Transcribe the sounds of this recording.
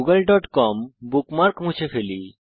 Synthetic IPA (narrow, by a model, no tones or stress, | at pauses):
uɡalɖɔʈkɔmbukmaɾkmũt͡ɕʰefeli